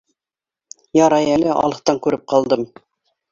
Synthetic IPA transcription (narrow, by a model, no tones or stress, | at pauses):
jɑɾɑjælɘʔɑ̰lˠɤ̆χt̪ɑŋkʉɾɘp̚qɑlˠd̪ɤm